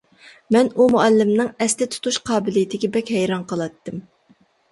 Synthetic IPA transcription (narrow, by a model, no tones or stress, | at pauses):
mɛnumuɛlːɪmnɨŋɛslɪt̪ʰu̥t̪ʰuʃqʰɑːbɪlijt̪ʰɪɡʲɛbɛkʲhɛjɾɑnqʰəlˠɑt̪ːɨm